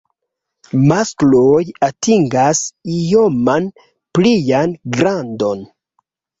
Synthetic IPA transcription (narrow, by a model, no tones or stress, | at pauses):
masklojatiŋɡasijo̞man | plijanɡɾando̞n